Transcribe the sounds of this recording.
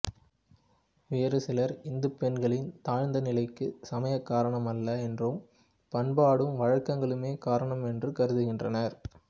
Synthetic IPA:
ʋeːɾɯsɪlɐɾɪnd̪ɯpɛnɡɐɭɪnt̪aːɻnd̪ɐnɪlɐɪkːɯsɐmɐjɐkːaːɾɐɳɐmɐlːɐɛndrɯm | pɐɳbaːɽɯmʋɐɻɐkːɐŋɡɐɭɯmeːkaːɾɐɳɐmɛndrɯkɐɾɯðɯɣɪndrɐnɐɾ

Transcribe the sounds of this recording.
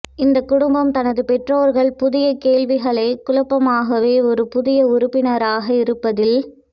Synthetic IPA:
ɪnd̪ɐkːʊɽʊmbɐmt̪ɐnɐðɯpɛʈroːɾɣɐɭpʊðɪjɐkeːɭʋɪɣɐɭɐɪkʊlɐpːɐmaːɣɐʋeːɔɾɯpʊðɪjɐʊɾʊpːɪnɐɾaːɣɐɪɾɯpːɐðɪl

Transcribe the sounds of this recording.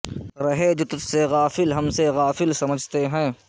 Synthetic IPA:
ɾɐɦed͡ʒʊt̪ʊt̪seɣaːfɪlɦɐmseɣaːfɪlsɐməd͡ʒʱt̪eɦɛ̃ː

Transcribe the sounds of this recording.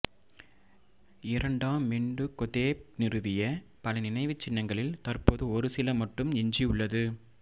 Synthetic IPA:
ɪɾɐɳɖaːmːɛɳɖɯkɔðeːp̚nɪrɯʋɪjɐpɐlɐnɪnɐɪʋɯt͡ʃːɪnːɐŋɡɐɭɪlt̪ɐrpoːðɯɔɾɯsɪlɐmɐʈːɯmɛɲd͡ʒiʊɭːɐðɯ

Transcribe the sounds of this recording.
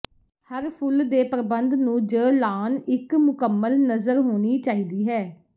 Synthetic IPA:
həɾpʰʊld̪eːpəɾbənd̪nũːd͡ʒəːlaːnɪkmʊkəmːəlnəzəɾɦoːniːt͡ʃaːiːd̪iːɦɛː

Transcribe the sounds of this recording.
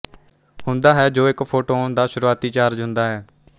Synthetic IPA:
hʊ̃nd̪aːɦɛːd͡ʒoːɪkpʰoːʈoːnd̪aːʃʊɾuaːt̪iːt͡ʃaːɾd͡ʒɦʊ̃nd̪aːɦɛː

